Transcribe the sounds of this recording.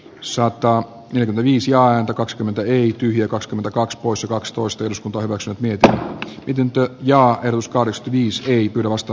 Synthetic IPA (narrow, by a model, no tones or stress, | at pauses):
sɑt̪ɑ | neljækyment̪æʋiːsjɑːæːnt̪ækɑkskymːent̪æeit̪yhjækɑkskyment̪ækɑkspoisjɑkɑkst̪oist̪ɑeɾuskunt̪ɑːhyʋæksyneːt̪miet̪inmit̪ent̪øjɑːehɾot̪uskɑhdeksky̥nt̪æʋiːseipyːɾæʋɑst̪ɑ